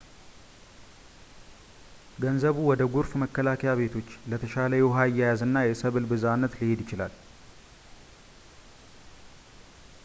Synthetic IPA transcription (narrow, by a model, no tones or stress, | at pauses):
ɡənzəβuwɔd̪əɡuɾfməkːəlakʰəjaβe̞t̪ʰo̞t͡ʃːlət̪ʰəʃaləjɛoɦaɨjːajazɨnːajɛsəβɨlbɨzanːət̪lihed̪jɪt͡ʃɪla̰l